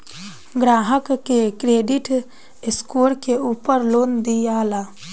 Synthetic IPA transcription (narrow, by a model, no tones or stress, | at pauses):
ɡɾaːɦəkkːekɾeːɖiʈ | ɪskoɽkeuːpəɾloːnd̪ijaːla